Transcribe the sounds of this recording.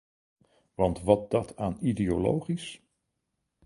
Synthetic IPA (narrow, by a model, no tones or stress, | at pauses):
ʋɑntʋɑt̚dɑtʰaːnideolo̰wχis